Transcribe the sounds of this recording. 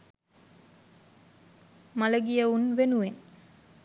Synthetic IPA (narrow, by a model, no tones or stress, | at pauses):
maləɡijəunʋenuʋen